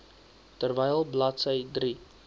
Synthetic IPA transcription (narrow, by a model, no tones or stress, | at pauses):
tərvɛjlˠblɐtsəjdri